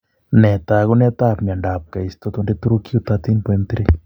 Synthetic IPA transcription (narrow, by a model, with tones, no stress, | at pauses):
nɛ˨t̪a˨ɣu˦nɛ˦t̪aː˦pɲa˨ɳɖa˨p̚ka˨ist̪ɔ˦t̪unde˦t̪u˦ɾu˦ki˦u˦t̪at̪i˦npɔ˦e˦nt̪iɾe˦